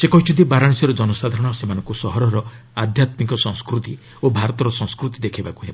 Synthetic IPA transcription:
sekɔɦit͡ʃʰud̪ibaɾaɽ̃sɔɾɔd͡ʒɔnɔsad̪ʱaɾɔɽ̃ɔsemanɔ̃ŋkusɔɦɔɾɔɾɔ | ad̪ʱjat̪mikɔsɔ̃ŋ̃skɾut̪i | obʱaɾɔt̪ɔɾɔsɔ̃ŋ̃skɾut̪id̪ekʰibaku̥ɦebɔ

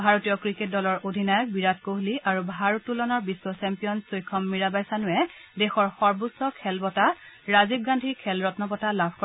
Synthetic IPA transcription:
bʱaɹotijɔkɹiket̚dɔlɔɹʔodʱinajɔk̚biɹat̚koɦliʔaɹubʱaɹotːulɔnɔɹbisːɔsɛmpijɔnsojkʰːɔmːiɹabajsanʊɛ | dɛxɔɹxɔɹbusɔkʰɛlbɔtaɹazib̚ɡandʱikʰɛlɹɔtnɔpɔtalabʱkɔ

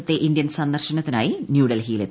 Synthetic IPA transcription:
t̪ːe̞ʔind̪jɐnsɐnd̪ɐrɕɐɳɐt̪ːinaːjinjuːɽɐlɦiːlet̪ː

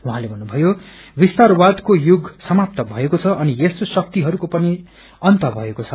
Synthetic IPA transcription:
uɦãlebʱʌnːubʱʌjo | bist̪arwad̪kojuɡsʌmap̚t̪ʌbʱʌekot͡sʰʌʔʌnijest̪osʌk̚t̪iɦʌɾukopʌni | ʌnt̪ʌbʱʌekot͡sʰʌ

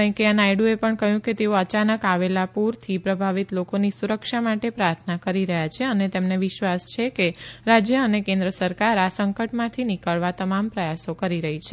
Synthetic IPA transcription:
ə̃j̃keənajɽuepəɳkəɦjũket̪eoət͡ʃanəkaʋelapuɾt̪ʰipɾəbʱaʋit̪lokonisuɾəkʃamaʈepɾaɾt̪ʰnakəɾiɾəɦjat͡ʃʰeənet̪emneʋɪʃʋast͡ʃʰekeɾad͡ʒjəənekẽnd̪ɾəsəɾkaɾasəŋkəʈmãt̪ʰinikəɭʋat̪əmampɾəjasokəɾiɾəɦit͡ʃʰe

